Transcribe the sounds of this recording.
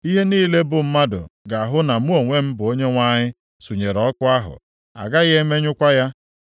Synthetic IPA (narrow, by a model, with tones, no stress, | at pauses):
i˦ɦe˦niː˦le˦bʊ˨m̩˦ma˦dʊ̰˨ɡa˨a˨ɦʊ˦na˨mu˦o˨ŋʷe˦m̩˦bʊ˨o˦ɲe˦ŋʷa˦ɲɪ˦ | su˨ɲe˨ɾɔ˦kʊ˦a˦ɦʊ̰˨ | a̰˨ɡa˦ɣe˦me˦ɲʊ˦kʷa˦ja˦